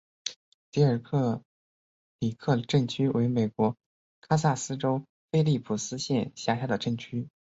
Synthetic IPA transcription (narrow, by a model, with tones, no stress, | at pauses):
ti˧˥ə˞˨˩kʰɤ˥˩ | li˨˩kʰɤ˥˧ʈ͡ʂɤ˥˩ŋt͡ɕʰy˥wʔe˧˥ɪme˨˩ɪkwɔ˧˥ | kʰa˥sa˥˩sɹ̩˥ʈ͡ʂo˥ʊ | fe˥ɪli˥˩pʰu˨˩sɹ̩˥ɕjɛ˥˧nɕja˥˩ɕja˥d̪ə˨˩ʈ͡ʂɤ˥˩ŋt͡ɕʰy˥